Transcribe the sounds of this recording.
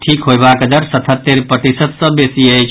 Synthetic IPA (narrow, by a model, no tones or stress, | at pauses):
ʈʰikɦojbakəd̪əɾsət̪ʰət̪ːeɾpət̪isəd̪sə̃besiəjt͡ʃʰ